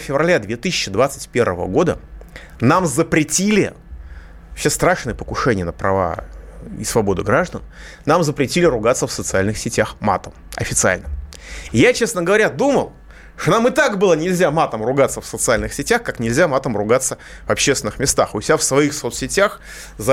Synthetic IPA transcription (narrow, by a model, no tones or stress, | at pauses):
fʲɪvrɐlʲad̪vʲet̪ɨsʲɪt͡ɕːɪd̪vat̪sɨ̥tʲpʲe̞rvəvə̰ɡo̞d̪ə | namzəpɾʲɪtʲilʲɪ | ɐpsʲest̪ɾaʂnɨjəpəkʊʂɛnʲɪjənəpɾɐva̰ḭsvɐbo̞d̪ʊɡɾaʐd̪ən | namzəpɾʲɪtʲilʲɪɾʊɡat̪səfsət̪sɨalʲnɨxsʲɪtʲaxma̰t̪əmɐ̰fʲɪt̪sɨa̰lʲnɨm | jat͡ɕe̞snəɡəvɐɾʲad̪uməlˠ | ʂt̪onamɨt̪akbɨlˠənʲɪlʲzʲamat̪əmrʊɡat̪səfsət̪sɨalʲnɨxsʲɪtʲaxkaknʲɪlʲzʲamat̪əmrʊɡat̪sːə | vɐpɕːest̪vʲɪnɨxmʲɪst̪axʊsʲafsvɐixsot̪sʲɪtʲax | z